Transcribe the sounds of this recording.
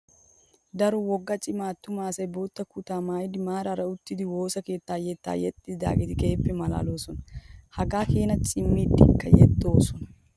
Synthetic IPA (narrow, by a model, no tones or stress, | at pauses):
d̪ɐɾɔwɔɡːɐt͡ʃʼɪmaːt̪ːʊmaːsɐjboːt̪ːɐkʊt̪aːmaːjɪd̪ɪmaːɾɐɾɐʊt̪ːɪd̪ɪwo̞ːsɐke̞ːt̪ːaːjɛːt̪ːa̰ːjɛt̪ʼːɪd̪d̪a̰ːɡɪd̪ɪkʼeːpːɛmɐla̰ːlo̞ːsɔnɐhɐɡaːkeːnɐt͡ʃʼɪmːiːd̪ɪkːɐjɛd̪ːo̞ːsɔnɐ